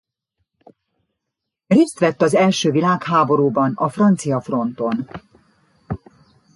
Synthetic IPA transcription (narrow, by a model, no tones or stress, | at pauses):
reːst̪ʋɛt̪ːɒzɛlʃøːvilaːkhaːbo̞ɾuːbɒnɒfrɒnt̪sijɒfro̞nt̪o̞n